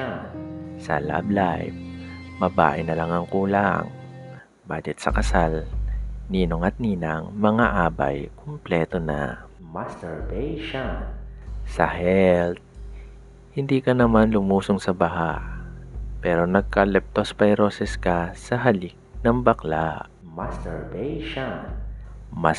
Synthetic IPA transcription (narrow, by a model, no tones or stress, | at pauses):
sɐ̰la̰blajvmɐba̰ːʔɪnɐlaŋɐŋkuːlaŋ | baːd͡ʒɛt̪̚sɐ̰kɐsal | niːnoŋɐt̪̚niːnɐŋmɐŋaʔaːbɐ̰jkʰomplɛːt̪o̞nɐ̰masɛɹbɛjʃansɐhɛlt̪̚ | hɪnd̪iːkɐnɐmanlʊmuːsoŋsɐbɐɦa | pɛːɾo̞nɐɡ̚kɐlɛp̚t̪ospɐjɾosɛskɐsɐɦɐlik̚nɐŋbɐklaʔ | mast̪ɛɹbɛjʃan | ma